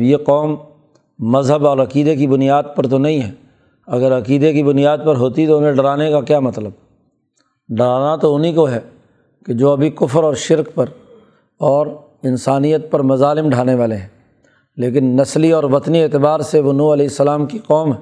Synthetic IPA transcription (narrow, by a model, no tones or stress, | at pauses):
jeqɔːmː | ɐzɦəbɔːɾɐqiːd̪ekibʊnijaːd̪̚pɐɾt̪onɐɦĩɦɛː | ɐɡəɾɐqiːd̪ekibʊnijaːd̪̚pɐɾɦoːt̪it̪oʊnẽɖɐɾaːnekakjaːmɐt̪ləb | ɖɐɾaːnat̪oʊnikoɦɛː | ked͡ʒoːɐbʱikʊfəɾɔːɾʃɪɾkpɐɾ | ɔːɾ | ɪnsaːnijət̪̚pɐɾmɐzaːlɪmɖʱaːneʋaːleɦɛ̃ː | leːk̬ɪnːɐsliɔːɾʋɐt̪nieːt̪ɪbaːɾseʋonuːɐlɛːɪsːəlaːmkiqɔːmɦɛː